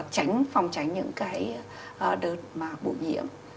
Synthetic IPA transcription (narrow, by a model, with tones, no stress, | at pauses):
k̚t͡ɕa˨˦jŋ̟fɔ˨˩wŋ͡mt͡ɕa˨˦jŋ̟ɲɨ̰˧˥ŋkaː˨˦j | ʔːɗəː˨˩t̚maː˨˩ɓṵ˧˩jɲḭ˧˥əm